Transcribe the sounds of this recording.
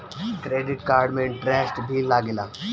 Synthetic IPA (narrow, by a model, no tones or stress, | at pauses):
kɾeːɖɪʈkaːɾɖmẽɪ̃ɳʈɾeːsʈbʱilaːɡɪlaː